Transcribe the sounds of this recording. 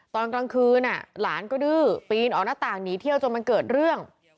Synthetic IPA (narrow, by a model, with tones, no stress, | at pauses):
t̪ɔː˧nkla˧ŋkʰɯː˧nʔa̰˨˩la̰ː˩˦nkɔː˥˩dɯː˥˩piː˧nʔɔː˨˩naː˥˩t̪aː˨˩ŋniː˨˦t̪ʰi˥˩əwt͡ɕo˧nma˧nkɤː˨˩t̪̚ɾɯ˥˩əŋ